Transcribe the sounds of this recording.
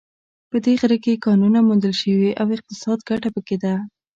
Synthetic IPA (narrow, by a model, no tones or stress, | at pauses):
pəd̪eɣɾəkekɑnunamund̪əlʃəwiʔawɪq̚t̪ɪsɑd̪ɡaʈapəked̪a